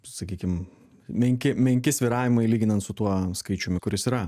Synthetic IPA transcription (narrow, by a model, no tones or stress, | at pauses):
sɐkʲiːkʲɪm | mʲɛŋʲkʲɪmʲɛŋʲkʲɪsʲʋʲiɾɑːʋʲɪmɐɪlʲiːɡʲɪnɐnt̪sʊt̪uɔskɐɪt͡ʃʲʊmʲɪkʊɾʲɪsiːɾɐ